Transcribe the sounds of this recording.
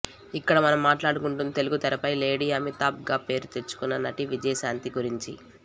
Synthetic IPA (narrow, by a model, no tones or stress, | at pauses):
ikːɐɽɐmɐnɐmːaːʈlaːɽukuɳʈunt̪eluɡut̪ɐɾɐpɐjle̞ːɽiːɐmit̪aːp̚ɡaːpe̞ːɾut̪e̞t͡ʃːu̥kunːɐnɐʈiʋid͡ʒɐjɐsaːnt̪iɡuɾiɲt͡ʃḭ